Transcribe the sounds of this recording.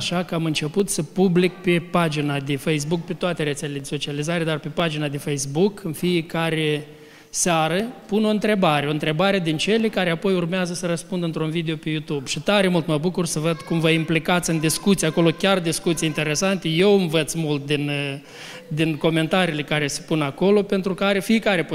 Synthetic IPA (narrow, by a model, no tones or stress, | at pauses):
aʃakəamɨnt͡ʃe̞put̪səpublik̚pe̞pad͡ʒinad̪e̞fejs̬buk̚pe̞t̪oat̪e̞ɾeseleled̪eso̞t͡ʃializaɾe̞d̪arpe̞pad͡ʒinad̪efejsbukɨnfijekaɾe | saɾəpuno̞ɨnt̪ɾe̞baɾeo̞ɨnt̪ɾe̞baɾe̞d̪int͡ʃe̞lekaɾeapo̞jurmeazəsəɾəspund̪əɨnt̪ɾunvid̪e̞o̞pe̞jut̪ubʃit̪aɾe̞mult̪məbukursəvəd̪kumvəimplikat̪sɨnd̪iskut̪sijako̞lo̞kʲard̪iskut̪sijint̪e̞ɾe̞sant̪e̞je̞wɨmvət̪smult̪̚d̪in | d̪inko̞me̞nt̪aɾiːle̞kaɾe̞se̥punako̞lo̞pe̞nt̪ɾukaɾe̞fijekaɾe̞po